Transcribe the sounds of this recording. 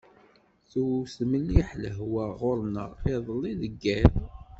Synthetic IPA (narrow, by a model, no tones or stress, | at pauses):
θusməniħləɦwæʁoɾnəʁɪðˤlːiðəɡːæɾ